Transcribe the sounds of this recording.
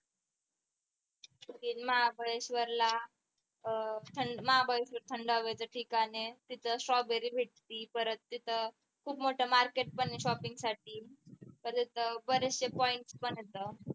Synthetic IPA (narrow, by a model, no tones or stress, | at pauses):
kiːnməɦabʱəjeɕʋəɾla | t̪ʰəɳɖməɦabʱəjeɕʋəɾt̪ʰəɳɖəʋəjt͡səʈʰikanet̪it̪ʰəsɾɔbeɾiːbʱeʈ̚t̪iːpəɾət̪̚ːit̪ʰə | kʰuːpmoʈʰəmaɾkeʈ̚pəniɕɔpiŋɡsaʈiːp̪əɾt̪it̪ʰəbəɾəsepɔiɳʈspəɳɦet̪ə